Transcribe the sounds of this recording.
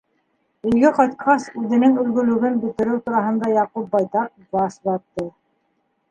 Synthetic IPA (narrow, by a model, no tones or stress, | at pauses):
ɵ̆ɡɘqɑt̪qʰɑsʉðɘ̆nɘŋɵ̆lɡɵ̆lɵ̆ɡɘnbɵ̆t̪ɘ̆ɾɘwt̪uɾɑɦɤ̆nd̪ɑjɑqup̚bɑjt̪ɑq̚bɑsbɑt̪ːɤ